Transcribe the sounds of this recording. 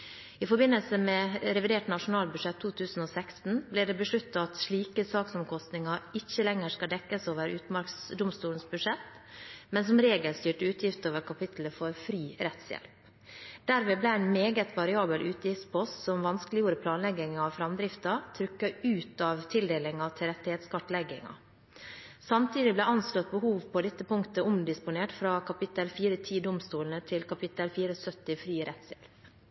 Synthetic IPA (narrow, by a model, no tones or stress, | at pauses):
ɪfɔɾbɪnːəlsəmɛɾɛʋɪd̪eːʈnɑʂʊnɑːlbʉʂɛt̪ʰːuːt̪ʰʉːsn̩oːsɛkst̪n̩blɪːɖɛbəʂɭʉt̪ːɑɑt̪ʂɭiːkəsɑːksɔmkʰɔst̪nɪŋɑɪçːəlɛŋəʂkɑld̪ɛkːəsoːʋəɾʉ̰ːt̪mɑɾksd̪ʊmst̪uːln̩sbʉʂɛt̪ː | mɛnsɔmɾeːɡəlst̪yːʈʉːt̪ʰjɪft̪əoːʋəɾkʰɑpɪt̪ləfɔɾfɾiːɾɛt̪sjɛ̰lp | d̪̥æɾʋeːblæænmeːɡət̪ʋɑɾɪɑːbəlʔʉːt̪jɪft̪spʰɔssɔmʋɑnsklɪjuːɾəpʰlɑːnlɛɡɪŋɑʋfɾɑmd̪ɾɪft̪ɑt̪ʰɾʏkːɑʉːt̪ɑʋt̪ʰɪld̪eːlɪŋɑt̪ʰɪlɾɛt̪ːɪhɛt̪skɑʈːlɛɡɪ̰ŋɑ̰ | sɑmt̪ʰiːd̪ɪblɛɑnslɔt̪̚bəɦuːʋpʰɔd̪ɛt̪ːəpʰʊŋkt̪əʊmd̪ɪspʊneːʈfɾɑːkʰɑpɪt̪ːəlfiːɾət̪ʰiːd̪ʊmst̪uːln̩ət̪ʰɪlkʰɑpʰɪt̪ːəlfiːɾəsœt̪ːɪfɾiːɾɛt̪sjɛ̰lp